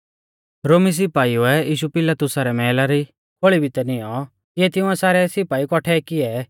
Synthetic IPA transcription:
ɾoːmis̬ɪpaːiuɛiːʃupɪlat̪ʊsaɾɛmɛːlaɾi | kʰoɭibʱɪt̪ɛnɪjɔ | iɛt̪ɪ̃ʊ̃ɛsaːɾɛsɪpaːikɔʈʰɛkɪɛ

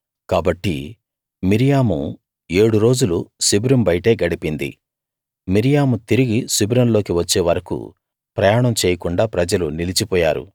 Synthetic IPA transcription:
kaːbɐʈːḭ | miɾijaːmṵ | e̞ːɽuɾo̞ːd͡ʒulusibɾɐmbɐjʈe̞ːɡɐɽipind̪ḭ | miɾijaːmut̪iɾiɡisibɾɐmlo̞ːkiʋɐt͡ʃːeːʋɐɾɐkṵ | pɾɐjaːɳɐmt͡ʃɛːjɐkuɳɖaːpɾɐd͡ʒɐlunilit͡ʃipɔːja̰ːɾṵ

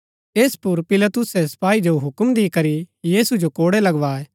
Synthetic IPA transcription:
eːspʊɾpɪlat̪ʊsɛsɐ̥paːid͡ʒoɦʊkəmd̪ikɐɾijiːsud͡ʒokoːɽɛlɐɡʋaːeː

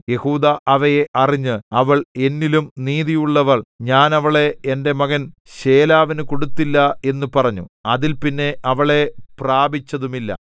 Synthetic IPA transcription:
je̞huːd̪ɐʔɐʋɐjeʔɐriɲːɨɐʋɐɭe̞nːilumniːðijuɭːɐʋɐɭɲaːnɐʋɐɭe̞ende̞mɐɣɐnɕe̞ːlaːʋinɨko̞ɽut̪ːilːɐe̞nːupɐrɐɲːṵɐðilpinːe̞ʔɐʋɐɭe̞praːbit͡ɕːɐðumilːɐ̰

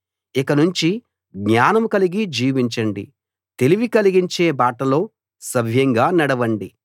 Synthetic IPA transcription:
ikɐnuɲt͡ʃi | ɡɲaːnɐmkɐliɡid͡ʒiːʋiɲt͡ʃɐɳɖḭ | t̪e̞liʋikɐliɡiɲt͡ʃe̞ːbaːʈɐlo̞ː | sɐbʱjɐŋɡaːnɐɽɐʋɐɳɖi

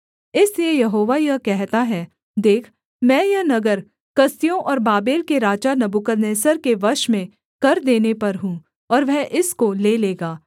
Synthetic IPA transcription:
ɪsliejɐɦoːʋajɐkɛɦt̪aɦɛː | d̪eːkʰ | mɛ̃ːjɐnɐɡəɾ | kɐst̪ijõʔɔːɾbaːbeːlkeɾaːt͡ʃanɐbukəɾneːsəɾkeʋɐɾʃmẽ | kɐɾd̪eːnepɐɾɦũː | ɔːɾʋɛɦʔɪskoleːleːɡaː

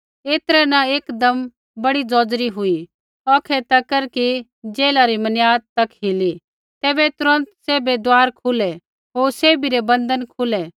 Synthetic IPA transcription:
eːt̪ɾɛnɐeːkd̪ɐm | bɐɽid͡zɔːd͡zɾiɦʊi | ɔːkʰɛt̪ɐkəɾki | d͡ʒeːlaɾimɐnjaːd̪̚t̪ɐkɦili | t̪ɛːbɛt̪ʊɾə̃nt̪seːbɛd̪aːɾkʰʊlɛ | ɦoːɾseːbiɾebɐ̃nd̪ənkʰʊlɛ

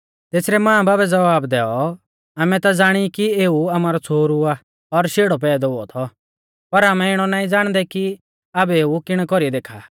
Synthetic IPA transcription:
t̪eːsɾɛmãːãbaːbɛd͡zɐʋaːbd̪ɛːɔ | aːmɛt̪ad͡zaːɽ̃ikieːuaːmaːɾɔt͡sʰoːɾua | ɔɾʃeːɽɔpɛːd̪ɔuɔ̰t̪ʰɔ | pɐɾaːmɛɪɽ̃ɔnaːĩd͡zaːɽ̃d̪ɛki | abɛeːukɪɽ̃kɔɾid̪eːkʰa̰ː

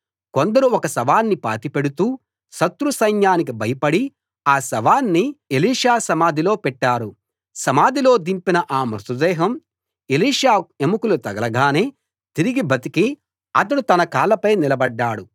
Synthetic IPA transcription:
ko̞nd̪ɐɾuɔkɐsɐʋaːnːipa̰ːt̪ipe̞ɽut̪uː | sɐt̪ɾusɐjnjaːnik̬ibʱɐjɐpɐɽi | aːsɐʋaːnːieliːʂaːsɐmaːd̪ʱilo̞ːpɛʈːaːɾu | sɐmaːd̪ʱilo̞ːd̪impinɐʔaːmɾut̪ud̪ɛːɦɐm | eliːʂaːe̞mukulut̪ɐɡɐlɐɡaːneː | t̪iɾiɡibʱɐt̪iki | ɐt̪ɐɽut̪ɐnɐkaːlɐpɐjnilɐbɐɖːaːɽu

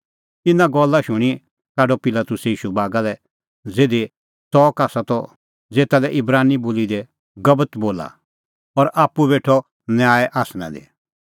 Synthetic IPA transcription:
t̪ɪnãɡɔlːaʃʊɽ̃i | kaːɖɔpɪlaːt̪ʊsiːʃubaːɡalɛ | d͡zeːd̪e | t̪ɔːkaːsat̪ɔ | d͡zeːt̪alɛʔɪbɾaːniboːlid̪ɛ | ɡɐbət̪boːla̰ | ɔɾʔaːpːubeːʈʰɔ | njaːɛʔaːsnã̰d̪ḛ

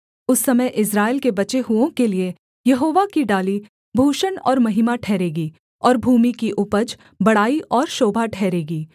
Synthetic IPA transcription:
ʊsːɐməjʔɪs̬ɾaːɪlkebɐt͡ʃeɦuõkelie | jɐɦoːʋakiɖaːli | bʱuːʃənɔ̰ːɾmɐɦɪmaʈʰɛːɾeːɡiː | ɔːɾbʱuːmikiʔʊpəd͡ʒ | bɐɽaːiʔɔːɾʃoːbʱaʈʰɛːɾeːɡiː

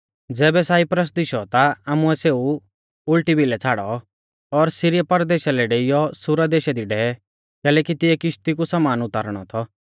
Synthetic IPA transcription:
d͡zɛːbɛsaːɪpɾəs̬d̪ɪʃɔt̪aaːmuɛseːu | ʊlʈibʱilɛt͡sʰaːɽɔ | ɔɾsiɾɪjapɐɾd̪eːʃalɛɖeɪjɔsʊɾad̪eːʃɛd̪iɖɛɛ | kɛːlɛːkit̪ɪɛkɪʃt̪ikusɐmaːnʊt̪aːɾɽ̃ɔ̰t̪ʰɔ

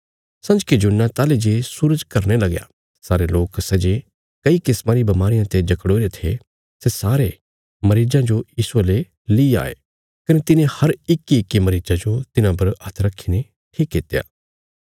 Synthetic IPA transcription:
sɐ̃nd͡ʒkid͡ʒʊnːãt̪aːled͡ʒesuːɾəd͡ʒkɐɾnelɐɡja̰ | saːɾeloːksɛːd͡ʒe | kɐikɪsmãɾibɐmaːɾɪjãt̪ed͡ʒɐkɽoːiɾet̪ʰḛ | sesaːɾe | mɐɾiːd͡ʒãd͡ʒojiːsuɐle | liːa̰ːḛ | kɐnet̪ɪnẽhɐɾɪkːiɪkːimɐɾiːd͡ʒad͡ʒot̪ɪnãpɐɾɐt̪ʰɾɐkʰːine | ʈʰiːkːɪt̪ːeja̰ː

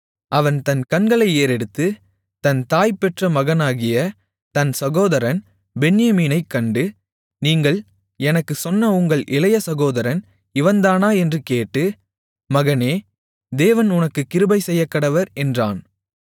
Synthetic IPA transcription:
ʔɐʋɐnt̪ɐnkɐnɡɐɭɐɪeːɾɛɽɯt̪ːɯ | t̪ɐnt̪aːjpɛʈrɐmɐɣɐnaːɣɪjɐ | t̪ɐnsɐɣoːðɐɾɐn | bɛnɪjɐmiːnɐɪkːɐɳɖɯ | niːŋɡɐɭ | ɛnɐkːɯsɔnːɐʊŋɡɐɭʔɪlɐjɐsɐɣoːðɐɾɐn | ɪʋɐnd̪aːnaːɛndrɯkeːʈːɯ | mɐɣɐneː | d̪eːʋɐnʊnɐkːɯkːɪɾɯbɐɪsɛjːɐpːɐɽɐʋɐɾɛndra̰ːn

